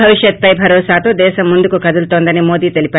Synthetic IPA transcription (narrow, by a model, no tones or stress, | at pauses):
ɐʋiʃjɐt̪̚pɐjbʱɐɾɔːsaːt̪oːd̪ɛːʃɐmːund̪ukukɐd̪ult̪oːnd̪ɐnimo̞ːd̪iːt̪elipʲaː